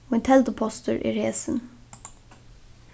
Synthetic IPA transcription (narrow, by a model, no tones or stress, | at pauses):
oːɪnt̪ʰɛld̪əpʰɔst̪əɹʔḭɹeːsən